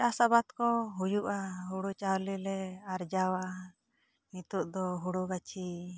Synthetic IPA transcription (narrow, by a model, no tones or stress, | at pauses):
asabat̪kɔɦujuʔaɦuɽut͡ʃawlilɛaɾd͡ʒawa | nit̪uʔd̪ɔɦuɽuɡat͡ʃʰi